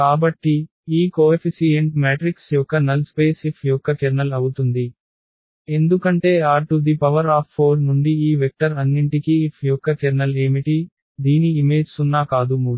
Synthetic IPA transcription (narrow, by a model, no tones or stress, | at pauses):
kaːbɐʈːi | iːkoːepʰisijɐɳʈmaːʈɾiksjɔkːɐnɐlspeːsipʰjɔkːɐkɛɾnɐlɐwut̪und̪i | e̞nd̪ukɐɳʈe̞ːaːɾʈud̪ipɐʋɐɾaːpʰːoːɾnuɳɖiiːʋek̚ʈɐɾɐnːiɳʈikiːpʰjɔkːɐkɛɾnɐle̞ːmiʈi | d̪iːniːme̞ːd͡ʒsunːaːkaːd̪umuːu